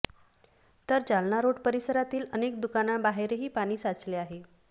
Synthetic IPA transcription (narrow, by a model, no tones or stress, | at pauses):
t̪əɾd͡zalnaɾoɽpəɾisəɾat̪iːlənekd̪ukanabaɦeɾeɦiːpaɽ̃iːsat͡sleaɦe